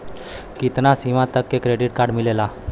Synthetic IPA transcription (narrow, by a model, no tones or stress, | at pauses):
kit̪nasimãt̪əkːekɾeɖiʈ̚kaɾɖmilela